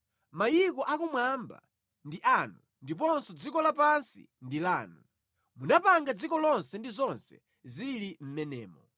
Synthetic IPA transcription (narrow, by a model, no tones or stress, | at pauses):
majikɔʔakumwamba̰ | ndiʔanu | ndip̬ɔnsɔd͡zikɔlapansḭndilaːnu | munapaŋɡad͡zikɔlɔnsɛndizɔnsɛ̰ | zilim̩mɛnɛːmɔ